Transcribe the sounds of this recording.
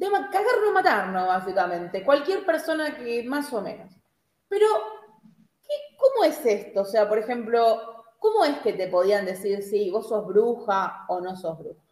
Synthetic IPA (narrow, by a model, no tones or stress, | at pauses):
d̪emakaɣaɾnomat̪aɾnoβasikamẽ̞nt̪e̞kwalkjeɾpeɾso̞nakemaso̞mẽ̞̰nos | peɾo̞ | keko̞moe̞sest̪oːse̞apo̞ɾexe̞mplo̞ko̞mo̞eske̞t̪e̞po̞ð̞iand̪e̞siɾsiβo̞so̞zβɾuxaono̞so̞zβɾuxḁ